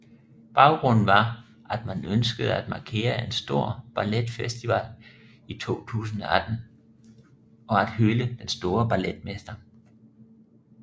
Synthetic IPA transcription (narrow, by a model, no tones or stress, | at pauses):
b̥ɑ̈ʊɡ̥ʁɔ̽n̰n̩ʋɑ̈ | ʔæd̥mænønsɡ̥əð̞̩ˠæd̥̚mɑ̈kʰe̝̰ːɐe̝nsd̥o̝ɐ̰b̥ɑled̥fesd̥iʋæl | it͡sʰo̝̰ːt͡sʰṵːs̬n̩ɒ̽æd̥n̩ | ɒ̽æd̥høləd̥ensd̥o̝ːɐb̥æled̥̚mesd̥ɐ